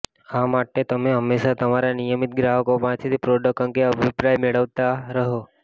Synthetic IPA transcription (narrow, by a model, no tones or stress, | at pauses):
amaʈːet̪əmẽɦəmːeʃat̪əmaɾjanijəmit̪̚ɡɾaɦəkoʋãt̪ʰit̪ipɾoɖək̚ːəŋkeəbʱipɾajmeɭəʋt̪aɾəɦo